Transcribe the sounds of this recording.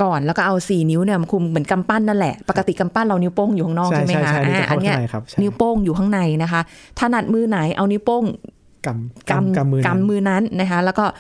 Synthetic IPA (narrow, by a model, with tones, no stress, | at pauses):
kɔː˨˩nlɛː˦˥wkɔː˥˩ʔa˧wsiː˨˩ni˦˥wni˥˩ma˧kʰu˧mmɯ˩˦nka˧mpa˥˩nːa˥˩lɛ˨˩ʔpa˨˩kːa˧t̪i˨˩ka˧mpa˥˩nɾa˧wni˦˥wpoː˥˩ŋju˨˩kʰa˥˩nɔː˥˩kʰma˦˧ka˦˥ʔaː˦˥˧aa˧˩nːi˦˥ɐ˧a˨˦kʰa˦˥˧ni˦˥wpoː˥˩ŋjuː˨˩kʰa˥˩na˧jna˦˥kʰa˦˥ʔ | t̪ʰaː˥˩na˨˩t̪̚mɯː˧na˨˩˦jʔa˧wni˦˥wpoː˥˩ŋ | ka˧mka˧mː˧ka˧mːɯː˧na˦˥nːa˦˥kʰa˦˥lɛ˦˥wkɔː˥˩